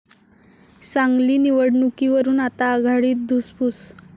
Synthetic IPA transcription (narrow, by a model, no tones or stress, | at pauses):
saŋɡliːniʋəɽnukiʋəɾuːnat̪aːɡʱaɽiːt̪̚d̪ʱuspuːs